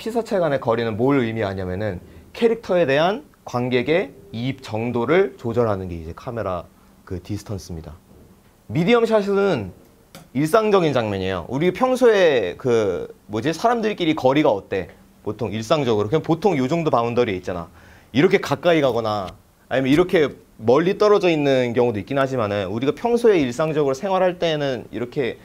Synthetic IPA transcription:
pʰisʰat͡ɕʰeɡwane̞kʌɾinɯnmoɭɯimiaɲiamjʌnɯnkʰe̞ɾik̚tʰʌe̞de̞ɦan | kwanɡe̞ɡe̞iːp̚t͡ɕʌŋdoɾɯɭt͡ɕod͡ʑʌɭɦanɯnɡe̞id͡ʑe̞kʰame̞ɾa̰ | kɯtisʰɯ̥tʰʌns͈ɯmɲida̰ | midiʌmɕʰaɕʰiɯɯn | iɭs͈aŋd͡ʑʌɡint͡ɕaŋmjʌɲejo̰ʔuɾipʰjʌŋsʰoe̞kɯmod͡ʑisʰaɾamdɯɭk͈iɾikʌɾiɡaʌt͈e̞ | potʰoŋiɭs͈aŋd͡ʑʌɡɯɾokʰpotʰoŋjod͡ʑoŋdopaundʌɾieit̚t͡ɕ͈ana̰ | iɾʌkʰe̞kak͈aiɡaɡʌnaː | ɲimjʌiɾʌkʰe̞ | mʌʎːit͈ʌɾʌd͡ʑʌinːɯnkjʌŋudoik͈inɦad͡ʑimanɯnuɾiɡapʰjʌŋsʰoe̞iɭs͈aŋd͡ʑʌɡɯɾosʰe̞ŋɦwaɾɦaɭt͈e̞ːnɯnḭɾʌkʰe̞

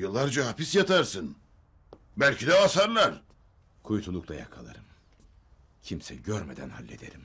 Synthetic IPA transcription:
jɯlˠːaɾd͡ʒaɦapisjat̪ʰaɾsɯn | bælʲcid̪ɛasaɾlˠaɾ | kʰujut̪ʰulˠuklˠajakʰalˠa̰ɾɯm | cʰimsɛɟøɾmed̪ænha̰lʲːed̪eɾim

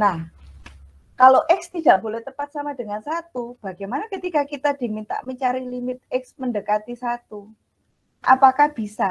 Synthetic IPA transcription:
nah | kaloʔɛkst̪id̥aʔbolɛht̪əpat̪̚samadəŋansat̪ub̥a̤ɡajmanakət̪ikakit̪ad̥i̤mint̪a̰ʔməɲt͡ʃaɾilimɪt̪̚ɛk̚sməndəkat̪isat̪u | ʔapakahb̥isa

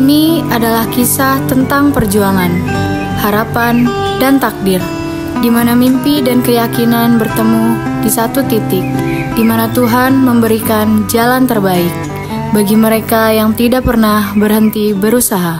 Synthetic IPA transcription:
iniadalahkisaht̪ənt̪aŋpərd͡ʒuaŋan | haɾapan | dant̪ak̚dɪr | dimanamimpidankəjakinanbərt̪əmudisat̪ut̪it̪ɪk̚dimanat̪uɦanməmbəɾikand͡ʒalant̪ərbaɪk̚ | baɡiməɾekajaŋt̪idak̚pərnahbərɦənt̪ibəɾusaɦa

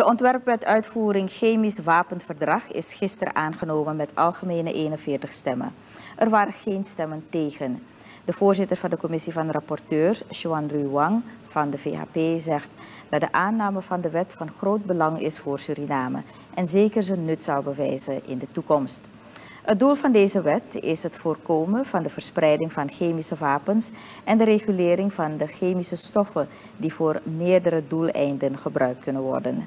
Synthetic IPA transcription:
d̥əʔɔntʋɛrpʋɛtœɥtfuːɾɪŋxeːmisʋaːpənfərdrɑχɪ̰sχɪstərə̰ʔaːnχənowmənmɛtɑ̰lˠχəmeːnəʔeːnənvɪːɹtəχstɛmə̰ | ʔərʋaːɾəχejnstɛmənteːχən | dəv̥oːɹzɪtərvɑndəkɔmɪsivɑndərɑpɔrtøːɹsʒoɑnrywɑŋv̥ɑndəvḛːa̰ːpeːzɛxt | d̥ɑtdəʔaːnaːməvɑndəʋɛtfɑnχroːd̚bəlɑŋɪ̰sfʊːrsyɾinaːmə̰ | ʔɛnzeːkərzənːɵtsɑwbəʋɛjzəʔɪndətukɔmst | ət̚dulˠvɑndejzəʋɛtɪ̰sɦətfoːrkoːməv̥ɑndəvərɹsprɛjdɪŋvɑnχeːjmisəʋaːpəns | ʔɛndəɾeχylɪːɾɪŋvɑndəχeːmisəstɔfə | divoːrmɪːrdəɾədulˠɛ̰jndənχəbrʔœɥk̚t̚kɵnənʋɔ̰rdən

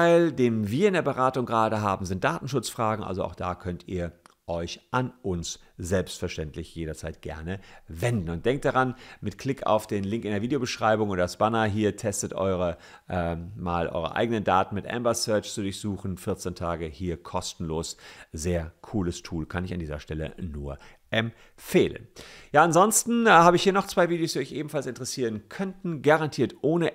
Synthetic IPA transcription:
taɪldeːmviːɐɪndeːɐbəʁaːtʊŋɡəʁaːɾəɦaːbm̩zɪnt̚d̥aːtn̩ʃʊt͡sfʁ̥aːɡŋ̩ʔa̰lzoa̰ʊxd̥aːkʰœntʰiːɐʔɔʏçʔanʔʊns | z̥ɛlpstfɛɐʃtɛntʰlɪçjeːɾɐt͡saɪt̚ɡ̥ɛ̰ɐnəvɛndn̩ʊntd̥ɛŋk̚td̥aʁanmɪtkʰl̥ɪkʰa̰ʊfd̥eːnlɪŋkɪndeːɐviːdejobəʃʁ̥aɪbʊŋʔoːdɐsb̥anɐɦiːɐtʰɛstətʔɔ̰ʏʁə | ʔɛma̰ːlʔɔ̰ʏʁə̰ʔa̰ɪɡənəndaːtn̩mɪtʔɛ̰mbɐsœɐt͡ʃt͡sudʊɐçz̥uːχn̩fɪɐt͡sentʰaːɡəhiːɐkʰɔstn̩loːszeːɐkʰuːləstʰuːlkʰanɪçandiːzɐ̰ʃtɛlə̰nuːɐ | ʔɛm | feːlə̰njaːanzɔnstn̩haːbəɪçhiːɐnɔχt͡sv̥aɪviːdejoːsd̥iɔçʔeːbm̩falsɪntəʁɛsiːʁənkʰœntn̩ɡaʁantʰiːɐtʔoːnə

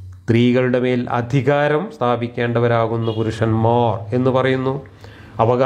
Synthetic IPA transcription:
st̪riːɣɐɭuɽe̞me̞ːlɐ̰d̪ʱiɣaːɾɐmst̪ʰaːbikʲːe̞ːɳɖɐʋɐɾaːɣunːɐpuɾuʂɐnmoːre̞nːɨpɐrɐjunːu | ɐʋɐɣa

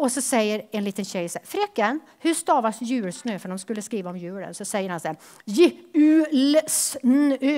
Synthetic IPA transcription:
ɔsɔsɛjːəɾɛnliːt̪ənɕɛɪsɛfɾɛkːən | hɵst̪ɑːvasjʉ̟ːɭsnøːfœɖɔmskɵlːəskɾiːʋaɔmjʉ̟ːɭə̰nsɔsɛjːəɾhansɛ | jɪʉːlsnː

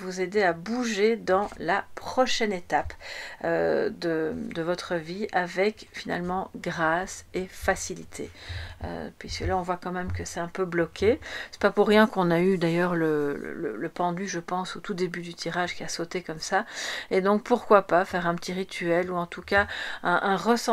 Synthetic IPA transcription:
vuzed̪eabuʒed̪ɑ̃lapχɔʃɛnet̪apød̪əd̪əvɔt̪χəviʔavɛkfina̰lmɑ̃ɡʁasefasilit̪ʰḛø̰pɥiskəlaɔ̃vwakɑ̃mɛmkəsɛt̪ɛ̃pøblɔkʲʰesɛ̥papuʁːjɛ̃kɔ̃nayd̪ajœːʁləə̰lə̰ləpɑ̃d̪yʒəpɑ̃sot̪ud̪ebyd̪yt̪ʰiʁaʒkʲiasot̪ekɔmsaed̪ɔ̃k̚puʁkwapafɛʁɛ̃pə̥t̪ʰiʁit̪ʰyɛluɑ̃t̪ukaɛ̃ʔɛ̃ʁəsɑ̃

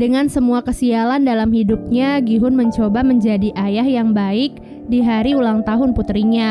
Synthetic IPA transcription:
dəŋansəmuakəsialandalamhidup̚ɲaɡiɦʊnməɲt͡ʃobaməɲd͡ʒadiʔajahjaŋbaɪk̚ | diɦaɾiulaŋt̪aɦʊnput̪ɾiɲa

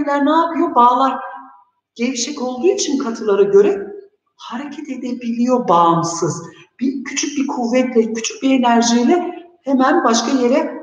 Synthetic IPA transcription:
lʲæɾnaːpʰɯjo̞baːlˠaɾ | ɟ̥evʃɛko̞lˠd̪uːit͡ʃʰinkʰat̪ʰɯlˠaɾaɟø̞ɾɛ | haɾecʰɛt̪e̞d̪ebilʲijo̞bamsɯz̥b̥icʰyt͡ʃʰyc̚biɾkʰuvːɛt̪lʲɛcʰy̥t͡ʃʰy̥c̚biɾe̞næɾʒijlʲɛhemænbaʃkaje̞ɾɛ

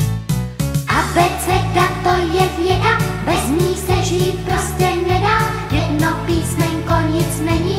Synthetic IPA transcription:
ʔabɛt͡sɛt̪at̪ojɛvjɛdabɛzmiːsɛʒiːt̪̚pɾoscɛnɛdaː | jɛdnopiːsmɛɲkoɲɪt͡snɛɲi

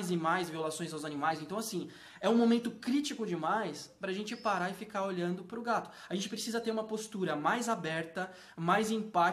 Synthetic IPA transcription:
jzɪmajzviolasõj̃zawzanimajsẽt̪ɐ̃w̃asĩ | ɛũmomẽnt̪ʊkɾit͡ʃikʊd͡ʒɪmajspɾɐaʒẽnt͡ʃɪpaɾaɪfikaɾoʎɐ̃nd̪ʊpɾʊɡat̪ʊ̥aɐʒẽnt͡ʃɪpɾesizɐt̪eɾũmɐpost̪uɾɐmajzabɛɾt̪ɐ | majzĩpa

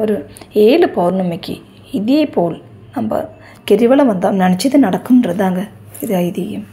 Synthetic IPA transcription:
oɾueːlɨpoːrnɐmːekʲːḭ | iðijejpːoːɭ | nɐmbɐ̰ | keɾiʋɐɭɐmʋɐnd̪aːmnɐɳit͡ɕːiðɨnɐɽɐkːunːred̪ːaːŋɡɐ | iðaːjiðijum

